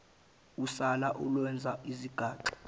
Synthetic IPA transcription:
usalaʔulwɛnd͡zʱaiziɡ̥ʱaːǃi̥

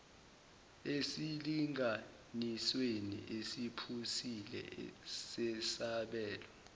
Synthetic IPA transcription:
esiliŋʱa | niswenḭʔesipʰusilɛ̰sɛsaɓɛːlɔ

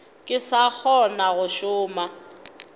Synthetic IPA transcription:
kʼɪsak͡xʰɔnaɣʊʃʊːma

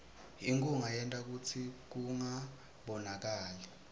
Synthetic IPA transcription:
iŋkuŋajɛntʼak̬ut͡sʰik̬uŋa | ɓɔnak̬aːlɛ

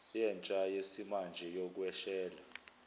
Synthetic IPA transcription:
jɛnt͡ʃʼajesimand͡ʒʱɛjok̬ʼwɛʃɛːla

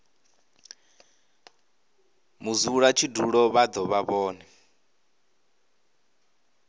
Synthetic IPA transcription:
muzuɺat͡ʃʰiduɺɔβad̪ɔβaβɔːnɛ

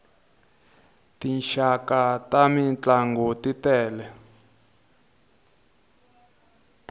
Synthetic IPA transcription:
tinʃakatamint͡ɬaŋɡɔtitɛːlɛ

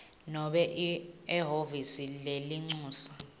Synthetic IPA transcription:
nɔɓɛʔɛɦovisileliŋ͡ǀuːsḁ

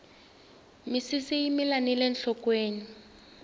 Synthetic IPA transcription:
misisijimilanilɛnɬɔkweːni

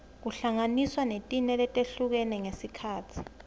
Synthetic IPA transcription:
k̬uɬaŋaniswanetʼinɛlɛtʼeɬuk̬ɛnɛŋesikʰaːtʰi̥

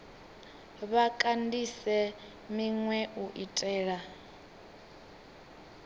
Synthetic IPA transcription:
βakʼandisɛ | miŋwɛʔuʔitʼɛːɺa

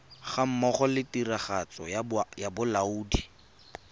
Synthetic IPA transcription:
χam̩mɔχɔlɪtiraχat͡sɔ̰jabʊlauːdi

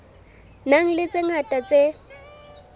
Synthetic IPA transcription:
naŋ̩lɪt͡sʼeŋatʼat͡sʼe

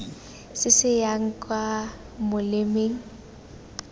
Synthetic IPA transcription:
sɪsɪjaŋ̩kʼwa | mʊlɪmeːŋ̩

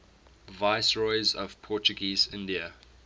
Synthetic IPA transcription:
vaɪsɹɔɪzɔv̥pʰɔˑt͡ʃəɡiːzɪ̃ndiə

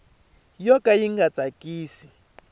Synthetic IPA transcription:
jɔkajiŋɡat͡sʼakiːsi

